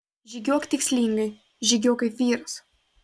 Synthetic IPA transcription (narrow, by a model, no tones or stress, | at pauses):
ʒʲiɡʲuɔkt̪ʲɪksʲlʲiŋɡɐɪ | ʒʲiɡʲoːkɐɪʋʲiːɾɐs